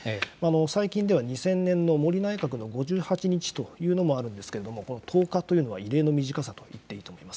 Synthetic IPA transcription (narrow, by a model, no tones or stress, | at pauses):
maːno̞saikʲĩnd̪e̞βaɲ̟isẽ̞nːẽ̞nːo̞mo̞ɾʲinaekak̬ɯ̟no̞ɡo̞ʑɨːhat͡ɕiɲ̟it͡ɕi̥t̪o̞jɯ̟ːno̞mo̞aɾɯ̟̃nd̪e̞sɨ̥ke̞ɾe̞d̪o̞mo̞ko̞no̞t̪ʰo̞ːkat̪o̞jiɯ̟no̞βa̰iɾe̞ːno̞mʲiʑikasat̪o̞it̪ːe̞iːt̪oːmo̞imḁsɨ̥